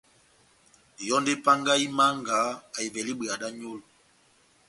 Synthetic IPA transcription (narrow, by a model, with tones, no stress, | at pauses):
jɔ˦nde˦pa˦ŋɡa˦i˦ma˦ŋɡa˨˦a˨i˨vɛ˨li˦ɓe˨a˨da˦ɲo˦lo˨